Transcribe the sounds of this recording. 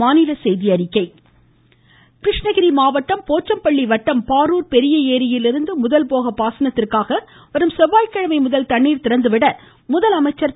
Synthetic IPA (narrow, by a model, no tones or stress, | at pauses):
aːnɪlɐsɛjðɪɐɾɪkːɐɪ | kɾɪʂɳɐɣɪɾimaːʋɐʈːɐmpoːt͡ʃːɐmpɐɭːiʋɐʈːɐmpaːɾuːɾpɛɾɪjɐeːɾɪjɪlɪɾɯnd̪ɯmʊðɐlpoːɣɐpaːsɐnɐt̪ːɪrkaːɣɐ | ʋɐɾɯmsɛʋːaːjkɐɻɐmɐɪmʊðɐlt̪ɐɳːiːɾt̪ɪɾɐnd̪ɯʋɪɽɐ | mʊðɐlɐmɐɪt͡ʃːɐɾ